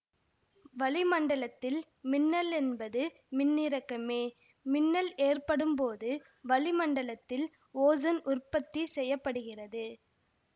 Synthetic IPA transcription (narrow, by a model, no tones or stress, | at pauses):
ʋɐlɪmɐɳɖɐɭɐt̪ːɪl | mɪnːɐlɛnbɐðɯ | mɪnːɪɾɐkːɐmeː | mɪnːɐleːrpɐɽɯmpoːðɯ | ʋɐlɪmɐɳɖɐɭɐt̪ːɪl | oːzɐnʔʊrpɐt̪ːisɛjːɐpːɐɽɯɣɪrɐðɯ